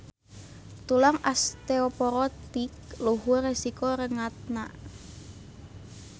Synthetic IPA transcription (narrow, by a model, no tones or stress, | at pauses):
t̪ulaŋast̪eopɔɾɔt̪ikluɦuresikoɾəŋat̪̚naʔ